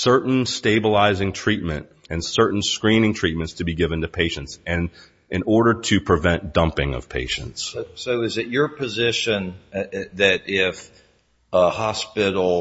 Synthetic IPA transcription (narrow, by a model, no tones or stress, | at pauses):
sɜ˞ʔn̩steɪbəlaɪzɪ̃ŋtʰɹ̥it̚mɨ̃nt | ɨ̃nsɜ˞ʔn̩skɹĩnɪ̃ŋtʰɹ̥it̚mɨ̃ntstʰɨbiɡɪvɨ̃ntɨpʰeɪʃɨ̃ntsɨ̃n | ʔɨ̃nɔɹɾə˞ɾɨpʰɹ̥ɨvɛ̃nd̥ʌ̃mpɪ̃ŋʌ̰v̥pʰeɪʃɨ̰̃ntssoʊɪzɨt͡ʃə˞pʰɨzɪʃɨ̃nðɨɾɪf | hɑspɪɾl̩ˠ